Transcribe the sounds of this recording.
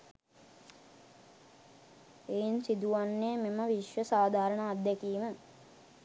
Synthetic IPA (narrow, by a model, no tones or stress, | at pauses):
einsid̪uʋanːeːmeməʋiʃʋəsaːd̪ʱaːɾəɳaːd̪ækiːmə